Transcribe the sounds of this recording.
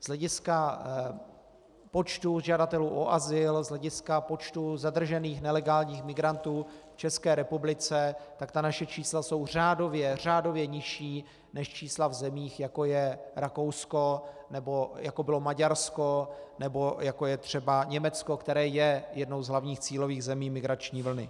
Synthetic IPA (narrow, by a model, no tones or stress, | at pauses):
z̥lɛɟɪska | po̞t͡ʃt̪uʒadat̪ɛluːʔoʔazɪlzlɛɟɪskapo̞t͡ʃt̪uzad̪r̩ʒɛniːxnɛlɛɡaːlɲiːxmɪɡɾant̪uːft͡ʃɛskɛːɾɛpublɪt͡sɛt̪akt̪anaʃɛt͡ʃiːslaso̞wr̝aːdo̞vjɛr̝aːdo̞vjɛɲɪʃiː | nɛʃt͡ʃiːslavzɛmiːxjako̞jɛɾako̞wsko̞ | nɛbo̞jakobɪlo̞maɟaɾsko̞nɛbo̞jako̞jɛt̪r̝̥ɛbaɲɛmɛt͡skokt̪ɛɾɛːjɛjɛdno̞wzɦlavɲiːxt͡siːlo̞viːɣzɛmiːmɪɡɾat͡ʃɲiːvl̩nɪ